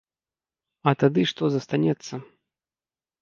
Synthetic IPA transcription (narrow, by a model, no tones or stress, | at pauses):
ɐt̪ad̪ɨʂt̪ɔzɐst̪anʲɛt̪sːɐ